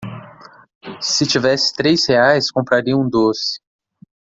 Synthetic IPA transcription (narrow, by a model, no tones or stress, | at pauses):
sɪt͡ʃivɛsɪ̥t̪ɾejsheajskõmpɾaɾiɐũd̪osɪ̥